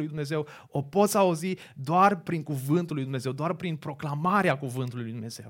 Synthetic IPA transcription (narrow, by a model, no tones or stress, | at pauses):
lujd̪umneze̞w | o̞po̞t̪sʲauzi | d̪oarpɾiŋkuvɨnt̪ulːujd̪umne̞ze̞wd̪oarpɾinpɾo̞klamaɾeakuvɨnt̪ulujlujd̪umne̞z̥e̞̰w